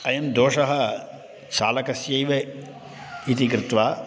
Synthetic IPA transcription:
ɐjɐmd̪oːʂɐɦɐ̆ | ʃa̰ːlɐkɐsjɐjʋe | it̪ikɾɪt̪ʋaː

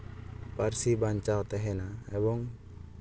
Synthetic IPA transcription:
parsibaɲt͡ʃawt̪ɛɦɛnaɛbɔŋ

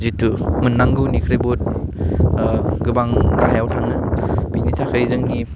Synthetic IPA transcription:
zitːumɯnːaŋɡɯwnikʰɾebot̚ | ɡɯbaŋɡaɦjawtʰaŋɯbinitʰakʰajzɯŋni

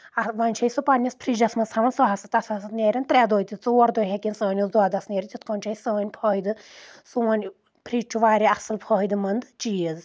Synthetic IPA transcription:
ɐʋɐnʲt͡ʃʰɐjsupɐnʲːɐspʰɾid͡ʒɐsmɐsʰɐmɐnsɔɦɐsɐt̪ɐsɐsɐt̪nʲeːɾʲɐnʲt̪ɾʲɛːd̪oːjt̪it͡suːɐɾd̪oːɦekʲinsəːnʲizd̪ɔːd̪ɐsneːɾʲit͡ʃ̪it̪̚ʰkoːnʲt͡ʃʰɐisəːnʲpʰɔːid̪ɨsuʋɐnʲ | pʰɾiːt͡ʃʰuʋaːɾʲiɐsɨlpʰɔːid̪ɨmɐnd̪t͡ʃiːəz

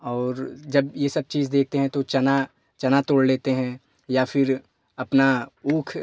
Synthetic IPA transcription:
ɔːɾd͡ʒɐbjesɐb̚t͡ʃiːzd̪eːk̚ʰt̪eɦɛ̃t̪ot͡ʃɐna | t͡ʃɐnat̪oːɽleːt̪eɦɛ̃ | jafʰɪɾ | ɐpnauːkʰ

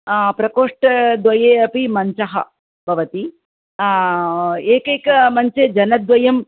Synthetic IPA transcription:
pɾɐkoːʂʈɐd̪ʋɐjeːɐpimɐɲt͡ʃɐɦɐ̰ | bʱɐʋɐt̪i | eːkeːkɐmɐɲt͡ʃed͡ʒɐnɐd̪ʋɐjɐm

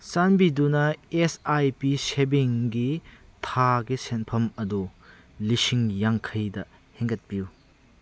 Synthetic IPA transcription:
sanbidunɐesajpisebiŋɡitʰaɡisenpʰɐmɐdu | lisiŋjaŋkʰɐjdɐ | heŋɡɐt̚piu

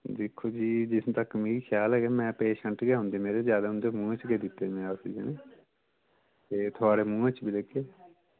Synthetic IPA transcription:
d̪ɪkʰːoːd͡ʒiːd͡ʒɪst̪əkːmiːikʰjaːlɦɛːɡɛmɛ̃ːpeːʃə̃ɳʈɡeːɦʊ̃nd̪eːmeːɾezjaːd̪aːɦʊ̃nd̪eːmũːẽt͡ʃɡeːd̪ɪt̪ːeːmɛ̃əsiːd͡ʒeneː | t̪eːt̪ʰoaːɾeːmũːẽt͡ʃbiːlekeː

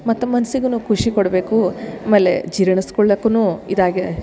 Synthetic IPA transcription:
mɐt̪ːumɐnɐsiɡɐnukʰuʂikoɽɐbe̞ːkuɐmeːlːḛd͡ʒiɾɐɳiskɔɭːɐkːɐnuːid̪aːɡe

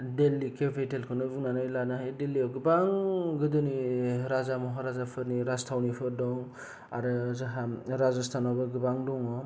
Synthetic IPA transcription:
delːikepʰetelkʰɯnɯbuŋnanɯjlanaɦajdeliɔwɡɯbaŋɡɯdɯniɾazamɔɦaɾazapʰɯɾniɾastʰawnipʰɯɾdɔŋ | aɾɯzaɦaɾazastʰanabɯɡɯbaŋdɔŋɔ

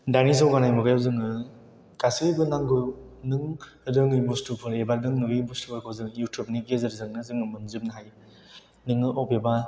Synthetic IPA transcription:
danizawɡanajmɯɡajawzɯŋɯ | kasɯbɯnaŋɡɯnɯŋ | ɯdɯŋɯjbustupʰɯɾebaɾdɯŋnɯɡɯjbustupʰaɾkʰowzɯŋjutʰjubniɡezɯɾzɯŋnɯzɯŋɯmɯnzɯpnɯɦaj | nɯŋɯʔowpeba

